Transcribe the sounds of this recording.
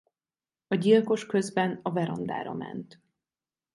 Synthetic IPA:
ɒɟilko̞ʃkø̞zbɛnɒvɛɾɒnd̪a̰ːɾɒ̰mɛ̰nt̪

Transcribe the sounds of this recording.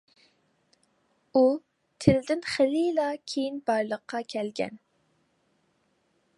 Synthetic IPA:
u | t̪ʰɪld̪ɪnχəlilɑkʲʰejinbɑɾlˠəqʰːɑkʲʰɛlɡʲɛ̰n

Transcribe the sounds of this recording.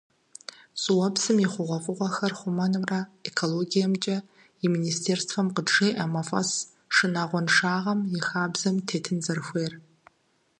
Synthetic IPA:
sʼwɐbzɨmiχʷʊʁʷɔfʼɨʁʷɔxɐrχʷʊmɐnɨmrɐekʰoloɡijɐmt͡ʃʼɐ | iministʰeːrstfɐmqədʂejʔamɐfʼɐ̰s | ʂɨnaːʁʷɔnʂaːʁɐmjɪxaːbzɐmtʰeːtʰɨnzɐrxʷeːr

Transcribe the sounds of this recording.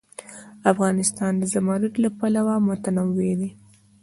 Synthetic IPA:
afɣɑnɪst̪ɑnd̪əzamɑɾut̪lapalawamʊt̪anawed̪e

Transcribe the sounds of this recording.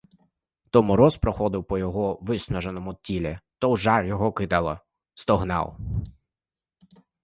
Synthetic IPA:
t̪ɔmɔɾɔspɾɔxɔd̪ɪwpɔjɔɦɔʋɪsnɔʒenɔmʊtʲilʲɛt̪ɔwʒɑrjɔɦɔkɪd̪ɐlˠɐ̰ | st̪ɔɦnɑ̰w

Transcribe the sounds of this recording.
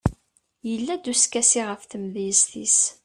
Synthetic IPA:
jəlːæd̪uskæsiʁəfθəmðiəst̪is

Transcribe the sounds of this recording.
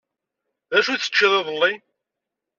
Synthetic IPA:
ðæʃuθə̥t͡ʃːiðˤeðˤəlːi

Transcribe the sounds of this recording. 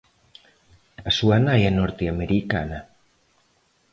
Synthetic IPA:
asuanajanɔɾt̪eameɾika̰na

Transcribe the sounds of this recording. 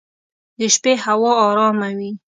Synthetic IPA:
d̪əʃpehawɑːɾɑmawi

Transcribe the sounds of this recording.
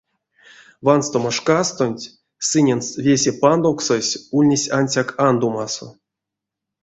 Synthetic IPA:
vanst̪omoʂkast̪onʲtʲ | sɨnʲenst̪vʲesʲepand̪owksosʲulʲnʲesʲanʲsʲakand̪umaso̰

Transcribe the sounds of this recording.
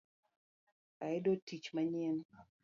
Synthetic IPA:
aɪdotit͡ʃmaɲɛn

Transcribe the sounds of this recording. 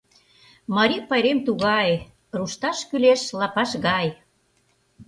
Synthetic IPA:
mɑɾipɑjɾemt̪uɣɑj | ruʃt̪ɑʃkyleʃlɑpɑʃɣɑj

